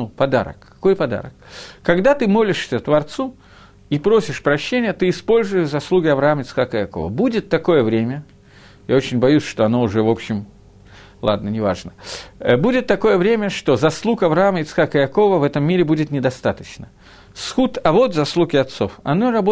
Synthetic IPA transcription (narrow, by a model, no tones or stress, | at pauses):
upɐd̪a̰ɾə̰kɐ̥ko̞jpɐd̪a̰ɾəkːɐɡd̪at̪ɨmo̞lʲɪʂsʲət̪vɐrt̪su | ipɾo̞sʲɪʂpɾɐɕːenʲɪjət̪ɨɪspo̞lʲzʊjɪzɐslˠuɡʲɪɐvɾɐaməɪt̪sxakəjɐko̞̰və̰budʲɪt̪ːɐko̞jəvɾʲemʲə | jao̞t͡ɕɪnʲbɐjusʲʂt̪o̞ɐno̞ʊʐɛvo̞pɕːɪm | lˠa̰d̪̚nənʲɪva̰ʐnəbudʲɪt̪ːɐko̞jəvɾʲemʲəʂt̪o̞zɐslˠukɐvɾɐaməɪt̪sxakəjɐko̞vəvɛt̪əmːʲiɾʲɪbudʲɪt̪nʲɪd̪ɐst̪at̪ət͡ɕnə | sxut̪ɐvot̪zɐslˠukʲɪɐt̪so̞fɐ̰norɐbo